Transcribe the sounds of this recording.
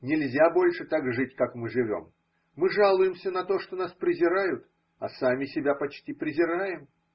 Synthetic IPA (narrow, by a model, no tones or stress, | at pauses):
nʲɪlʲzʲabo̞lʲʂɨt̪aɡʐɨtʲkakmɨʐɨvʲo̞̰m | mɨʐalˠʊjɪmsʲənɐt̪o̞ʂt̪o̞naspɾʲɪzʲɪɾajʊt̪ | ɐsamʲɪsʲɪbʲapɐt͡ɕtʲipɾʲɪzʲɪɾajɪm